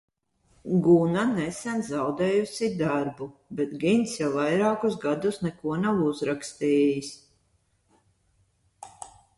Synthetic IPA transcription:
ɡunanɛsɛnzawd̪ɛːjusid̪aɾbubɛt̪ɡint̪sjawvajɾaːkusɡad̪usnɛkuɔnawuzɾakst̪iːjis

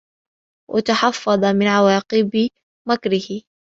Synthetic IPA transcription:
wʔa̰t̪aħɑfːɑd̪ˤɑmɪnʕawɑːqɨb | makɾɪhɪ

